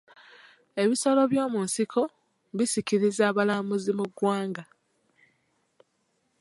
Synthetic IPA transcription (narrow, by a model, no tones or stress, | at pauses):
e̞βisolo̞βjo̞ːmunsikʰo̞ | βisiciɾizaːβalaːmuzimuɡwaːŋɡa